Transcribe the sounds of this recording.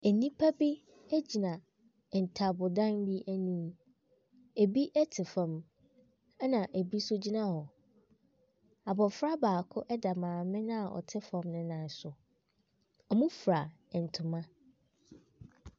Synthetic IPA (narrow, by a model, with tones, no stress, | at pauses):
æ˨nĩ˦pʰa˦bi˦ | æ˦d͡ʑi˨nã˨ | n̩˨tʰa˨bʊ˨dã˦nbi˦ʔæ˦nĩː˦ | e˨bi˦ʔɛ˦tʰɪ˨fã˨m˦ | nã˨ʔæ˨bi˦sʊ˦d͡ʑi˦nã˦hɔ˨ | a˨bɔ˨fɾa˦baː˨kʰʊ˦ʔɛ˦da˨mãː˨mɪ̃˦nʊ̃˦a˨ʔɔ̰˨tʰɪ˦fã˨mnʊ̃˦nã˨n̩˨sʊ˨ | ɔ˨mũ˦fɾa˨ | n̩˨tʰʊ̃˨mã˦